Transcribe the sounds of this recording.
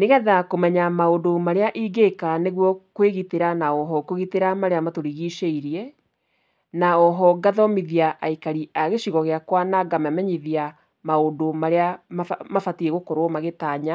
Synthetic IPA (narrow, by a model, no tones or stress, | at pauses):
neɣɛðakomɛɲamaodomaɾeaʔiːɡekaneɣwɔkweɣiteɾanaɔɦɔkoɣiteɾamaɾeamatoɾiɣiʃeiɾiɛ | naɔɦɔɡaðɔmiðiaʔaikaɾiaɣeɕiɣɔɣeakwanaɡamɛmɛɲiðia | maodomaɾeamafmafatiɛɣokoɾomaɣetaːɲa